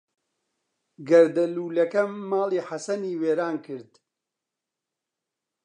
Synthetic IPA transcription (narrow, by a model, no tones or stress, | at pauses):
ɡɐɾd̪ɐluːlɐkɐmaːliːħasɐniːweːɾaːnkʰɨɾd̪